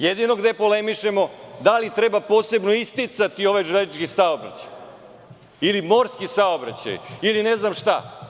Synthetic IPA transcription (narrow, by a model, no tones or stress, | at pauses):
jed̪ino̞ɡd̪e̞po̞le̞miʃe̞mo̞d̪alit̪ɾe̞bapo̞ːse̞bno̞ist̪it̪sat̪io̞ʋajʐeled̪it͡ʃkisaobɾa̰t͡ɕaj | ilimo̞ɾskisaobɾa̰t͡ɕa̰jiline̞znamʂt̪a̰